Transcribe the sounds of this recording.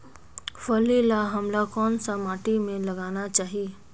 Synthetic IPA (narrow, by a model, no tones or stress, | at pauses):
fɐlilaɦɐmlakɔːnsamaːʈimẽlɐɡaːnat͡ʃaːɦieː